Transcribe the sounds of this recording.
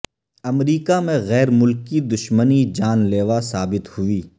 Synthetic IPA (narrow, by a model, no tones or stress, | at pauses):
ɐmɾiːkamẽɣɛːɾmʊlkid̪ʊʃmənid͡ʒaːnleːʋasaːbɪt̪hʊiː